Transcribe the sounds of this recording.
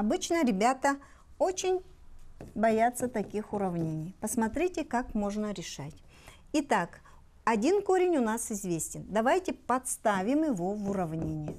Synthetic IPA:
ɐbɨt͡ɕnəɾʲɪbʲat̪ə | o̞t͡ɕɪnʲ | bɐjat̪sət̪ɐkʲixʊɾɐvnʲenʲɪjpəsmɐt̪ɾʲitʲɪkakmo̞ʐnəɾʲɪʂatʲ | ɪt̪ak | ɐdʲinko̞ɾʲɪnʲʊnasɪzvʲesʲtʲɪnd̪ɐvajtʲɪpɐt̪st̪avʲɪmjɪvo̞vʊɾɐvnʲenʲɪjɪ

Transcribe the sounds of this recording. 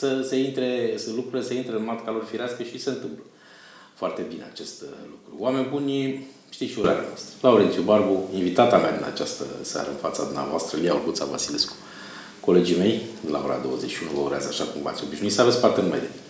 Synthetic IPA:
səse̞int̪ɾe̞səlukɾuɾileseint̪ɾeɨnmat̪kalorfiɾeaskəʃiseɨnt̪ɨmplə | foart̪e̞bine̞at͡ʃe̞st̪lukɾuwame̞nʲbunʲ | ʃt̪iʃiuɾa̰ɾea̰noast̪ɾə̥lauɾe̞nsʲjubarbuinvit̪at̪amad̪ina̰t͡ʃast̪ə̰sa̰ɾə̰ɨnfat̪sad̪umnea̰voast̪ɾəlijaurɡut̪sa̰va̰sile̞sku̥ | ko̞le̞d͡ʒime̞jd̪la̰o̞ɾa̰d̪o̞wəze̞t͡ʃʃiunuvəuɾeazəaʃakumva̰t̪sʲo̞biʃnuitsavespart̪eɨnumḛjd̪e

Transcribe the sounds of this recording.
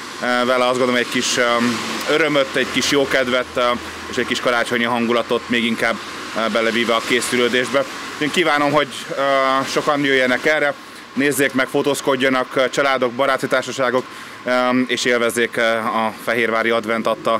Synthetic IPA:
vɛlɛɒzɡond̪oomɲːɛckiʃ | øɾømøt̪ːɛɟkiʃjoːkɛd̪vɛt̪ | eːʃɛckiʃkɒɾaːt͡ʃoɲiɦɒŋɡulɒt̪o̞t̪meːɡiŋkaːbː | ɛlɛviːvɛɒkeːsyløːd̪eːʒbɛeːŋkiːvaːno̞mɦo̞ɟ | ʃo̞kɒnjøːjːɛnɛkɛrːɛ | neːzːeːkmɛkfot̪oːsko̞ɟːɒnɒkt͡ʃɒlaːd̪o̞ɡ̚bɒɾaːt̪it̪aːrʃɒʃaːɡo̞k | eːʃeːlvɛzːeːkɒfɛɦeːrvaːɾiɒd̪vɛnt̪ɒt̪ːɒ

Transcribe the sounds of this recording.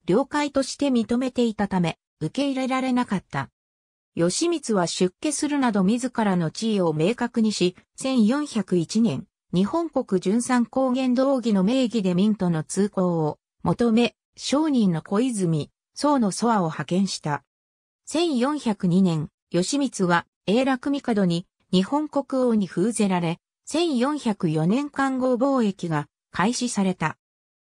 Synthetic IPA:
ɾʲo̞ːkait̪o̞ɕi̥t̪e̞mʲit̪o̞me̞t̪e̞it̪at̪ame̞ | ɯ̟ke̞iɾe̞ɾaɾe̞nakat̪ːa̰ | jo̞ɕimʲit͡sɨβaɕɨkːe̞sɨɾɯ̟nad̪o̞mʲizɨkaɾano̞t͡ɕiːo̞me̞ːkakɯ̟ɲ̟iɕisẽ̞ɰ̃jõ̞ɰ̃çakɯ̟it͡ɕinẽ̞ŋ | ɲ̟ihõ̞ŋko̞kɯ̟ʑɨ̃ɰ̃sãŋko̞ːɡẽ̞nd̪oːɡʲino̞me̞ːɡʲid̪e̞mʲĩnt̪o̞no̞t͡sɨːko̞ː | mʔo̞t̪o̞me̞ | ɕo̞ːɲ̟ĩnːo̞ko̞izɨmʲi | so̞ːno̞so̞βao̞hakẽ̞ɰ̃ɕi̥t̪a | sẽ̞ɰ̃jõ̞ɰ̃çakɯ̟ɲ̟inẽ̞ɰ | jo̞ɕimʲit͡sɨβa | e̞ːɾakɯ̟mʲikad̪o̞ɲ̟i | ɲ̟ihõ̞ŋko̞kɯ̟o̞ːɲ̟iɸɯːze̞ɾaɾe̞ | sẽ̞ɰ̃jõ̞ɰ̃çakɯ̟jo̞nẽ̞ŋkãŋɡo̞bo̞ːe̞kʲiɡa | kʰaiɕisaɾe̞t̪a

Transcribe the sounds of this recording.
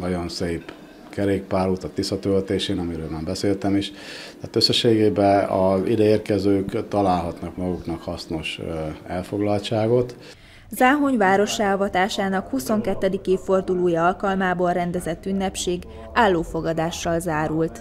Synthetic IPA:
nɒɟo̞nseːp | kɛɾeːk̚paːɾut̪ɒt̪ːisːɒt̪ølt̪eːʃeːnɒmiɾøːlmaːmbɛseːlt̪ɛmiʃt̪ɛːt̪øsːɛʃeːɡeːbɛɒzḭd̪ɛeːrkɛzøːkt̪ɒlaːlɦɒt̪nɒkmɒɡuknɒkhɒsno̞ʃɛlfo̞ɡlɒlt͡ʃaːɡo̞t̪ | zaːɦoɲvaːɾo̞ʃaːɒvɒt̪aːʃaːnɒkhuso̞ŋkɛt̪ːɛd̪ikeːfːo̞rd̪uloːjɒɒlkɒlmaːboːlrɛnd̪ɛzɛt̪ːynːɛpʃeːɡ | aːlːoːfo̞ɡɒd̪aːʃːɒlzaːɾult̪

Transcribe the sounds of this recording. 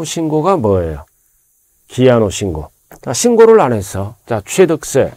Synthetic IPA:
oɕʰinɡoɡamʌejo | kianoɕʰiŋɡo̰ | t͡ɕaɕʰiŋɡoɾɯɭane̞s͈ʰʌt͡ɕat͡ɕʰwedɯk̚s͈ḛ

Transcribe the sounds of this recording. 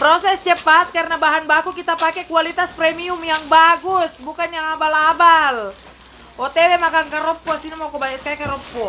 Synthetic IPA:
pɾosɛst͡ʃəpat̪̚karnabaɦanbakukit̪apakɛkualit̪aspɾɛmiumjaŋbaɡusbukanjaŋabalabal | ɔt̪ɛwɛmakankaɾɔpːɔsinimakɔbajaskajakaɾɔpːɔ

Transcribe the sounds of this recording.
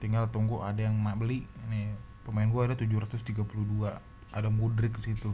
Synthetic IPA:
t̪iŋɡalt̪ɔŋɡuʔadajaŋmabəliʔne | pəmaɪnɡuaːdat̪ud͡ʒʊhɾat̪ʊst̪iɡapuludua | adamudɾɪk̚sit̪u

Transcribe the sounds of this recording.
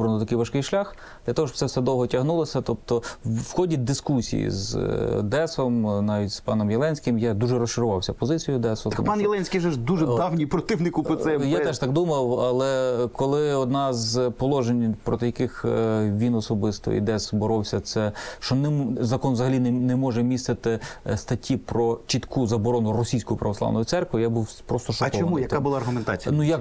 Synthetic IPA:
bɾɐnɔt̪ɐkɪjʋɐʃkɪjʃlʲax | d̥̪lʲɐt̪ɔɦɔʃɔ̥p̪sɛwsɛd̪ɔwɦɔtʲɐɦnulˠɐsʲɐt̪ɔp̚t̪ɔwxɔdʲid̪ɪskusʲḭjḭzd̪ɛsɔmnɑʋʲitʲspɑnɔmjelˠɛnʲsʲkɪmjad̪uʒɛɾɔst͡ʃɪɾʊʋɑwsʲɐpɔzɪt͡sʲijʊd̪ɛsʊpɑnjɛlˠɛnʲsʲkʲijʒɛʒd̪uʒɛd̪ɑwnʲipɾɔt̪ɪwnɪkʊɔsɛjat̪ɛʃt̪ɑkd̪umɐwɐlˠɛkɔlˠɪɔd̪nɑzpɔlˠɔʒenʲpɾɔt̪ɪjɐkɪxʋʲinɔsɔbɪst̪ɔ̰ḭd̪ɛsbɔɾɔwsʲɐt̪sɛʃt͡ʃɔnzɐkɔnʋzɐɦɐlʲinnɛmɔʒɛmʲist̪ɪt̪ɪst̪ɐtʲipɾɔt͡ʃit̪kʰuzɐbɔɾɔnʊrɔsʲijsʲkʊjʊpɾɐʋɔsˠɑ̰nɔjʊsɛrkʋɪjabuwpɾɔst̪ɔʃɔɐkt͡ʃɔɔɐnmujɐk̪abʊlˠaɐrɦʊment̪at͡sʲijnuja

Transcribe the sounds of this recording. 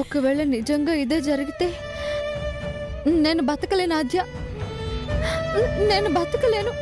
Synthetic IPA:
okːɐʋeːɭɐnid͡ʒɐŋɡaːid̪eːd͡ʒɐɾɐɡit̪eː | neːnɐbɐt̪ɐkɐleːnaːd̪ʱjɐ | neːnɐbɐt̪ɐkɐleːnu

